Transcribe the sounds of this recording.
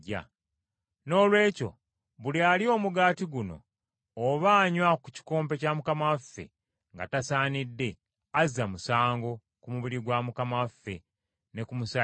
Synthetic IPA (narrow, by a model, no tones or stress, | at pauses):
a̰ | no̞ːlwe̞ːco̞̰ | βulialio̞ːmuɡaːtiɡuno̞̰ː | βaːɲwaku̥ci̥ko̞ːmpe̞camukamafːe̞̰ | ŋɡa̰tasaːnidːe̞ | aziamusaːŋɡo̞ | kumuβiɾiɡwamukamafːe̞ | ne̞kumusa